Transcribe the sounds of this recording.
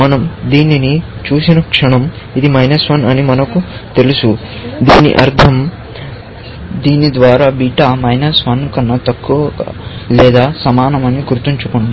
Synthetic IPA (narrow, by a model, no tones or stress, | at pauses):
mɐnɐmd̪iːninit͡ʃuːsinɐkʂɐɳɐm | id̪imɐjnɐsʋɐnɐnimɐnɐkut̪e̞lisu | d̪iːnḭʔɐɾd̪ʱɐm | d̪iːnid̪ʋaːɾaːbiːʈamɐjnɐsʋɐnkɐnːɐt̪ɐkːuʋɐ̰lɛːd̪aːsɐmaːnɐmɐniɡuɾt̪iɲt͡ʃukoɳɖu